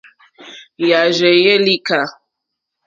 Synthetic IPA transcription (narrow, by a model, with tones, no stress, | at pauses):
ja˨ʒɛ˨je˦li˦ka˨